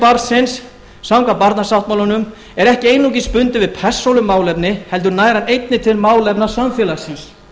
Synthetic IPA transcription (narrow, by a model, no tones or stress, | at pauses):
paɾsɪnsː | awŋkapaɾt̪nasawt̪mawlanʏm | ɛɾɛhcɪejnuc̬ɪspʏnt̪ɪvɪðpʰɛ̥sːowlʏmaːwlɛpnɪhɛlt̪ʏɾnaːjɾanejt̪nɪt̪ʰɪlmaːwlɛpnḁsamfɛːlasɪns